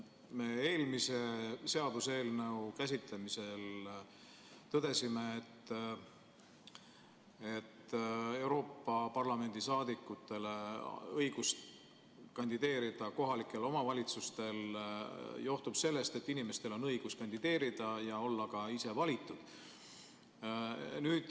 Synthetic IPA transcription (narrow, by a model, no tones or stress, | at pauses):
me̞ːe̞ːlmise̞se̞ɑd̪̥use̞ːlne̞ukæs̬it̪lemise̞l | t̪ɤd̪̥e̞sime̞ːt̪ː | et̪ːe̞wɾo̞ːpːɑpɑrlɑme̞nd̪̥isɑːd̪̥ikːˑut̪ːˑe̞le̞ɤjɡ̥ust̪ | kɑnʲd̪̥id̪e̞ːɾid̪̥ɑko̞ɦɑlikːˑe̞lo̞mɑvɑlʲit̪sust̪e̞l | jo̞ht̪ub̥se̞lːe̞st̪e̞t̪ːinime̞st̪e̞lo̞nɤ̞jɡ̥uskɑnʲd̪̥id̪e̞ːɾid̪̥ɑjɑo̞lːɑkɑise̞vɑlʲit̪ːˑud̪̥ | nyːd̪̥